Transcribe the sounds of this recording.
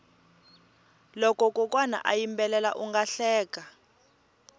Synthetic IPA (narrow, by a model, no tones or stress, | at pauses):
lɔkɔkʼɔkʼwana̰ʔajimbɛlɛla̰ʔuŋɡaɬɛːka